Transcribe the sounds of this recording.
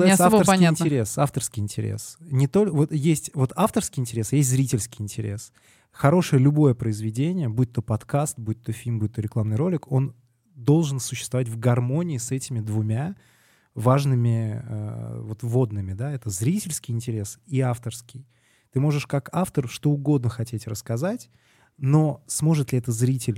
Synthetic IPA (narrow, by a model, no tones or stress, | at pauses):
saəɾsʲɪnʲtʲɪɾʲe̞saft̪ərskʲɪjɪnʲtʲɪɾʲḛsnʲɪt̪o̞lʲvo̞t̪jesʲtʲvo̞t̪aft̪ərskʲɪjɪnʲtʲɪɾʲesjesʲtʲzɾʲitʲɪlʲskʲɪjɪnʲtʲɪɾʲe̞̰s | xɐɾo̞ʂɨjəlʲʊbo̞jəpɾəɪzvʲɪdʲenʲɪjəbuɪt̪ʲːopɐt̪kast̪̚buɪt̪ːofʲilʲmbuɪt̪ːoɾʲɪklˠamnɨjɾolʲɪko̞n | d̪o̞lˠʐɨnsʊɕːɪst̪vɐvatʲvɡɐrmo̞nʲɪːsɛtʲɪmʲɪd̪vʊmʲa | vaʐnɨmʲɪə̰vo̞t̪vo̞d̪nɨmʲɪd̪aɛt̪əzɾʲitʲɪlʲskʲɪjɪnʲtʲɪɾʲe̞siaft̪ərskʲɪj | t̪ɨmo̞ʐɨʂkakaft̪ərʂt̪o̞ʊɡo̞d̪nəxɐtʲetʲrəskɐzatʲ | no̞smo̞ʐɨt̪lʲɪɛt̪əzɾʲitʲɪlʲ